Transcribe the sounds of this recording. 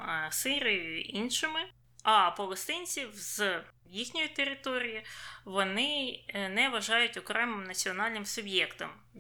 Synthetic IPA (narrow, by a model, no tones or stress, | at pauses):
sɪɾʲɪjʊʊʔinʃɪmɪ | ɐpɔlˠɔst̪ɪnʲt͡sʲiwz̥ | jixnʲɔjit̪eɾɪt̪ɔɾʲijiʋɔnɪnɛʋɐʒɑjʊtʲɔkɾɛmɪmnɐt͡sʲiɔnɑlʲnɪmsʊbjɛkt̪ɔm